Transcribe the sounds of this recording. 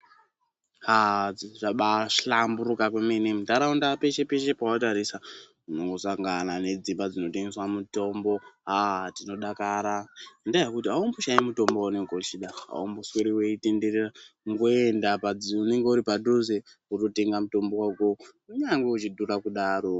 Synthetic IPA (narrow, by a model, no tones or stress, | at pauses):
haiʐaɓaʃɬambuɾukakwemenemutaɾaundape̞ʃe̞pe̞ʃe̞pawataɾisa | unoŋɡosaŋɡanane̞d͡zimbad͡zino̞teŋɡeswamuto̞mbo̞ɦatino̞ɗakaɾandajakutiɦaumbuʃaimuto̞mboune̞ŋɡeut͡ʃiɗaɦa̰umbusweɾiweite̞nde̞reraŋɡoendapad͡zune̞ŋɡe̞uɾipaduze | urote̞ŋɡamuto̞mbowaukouɲaŋɡeut͡ʃidʱuɾakuɗaːɾo̞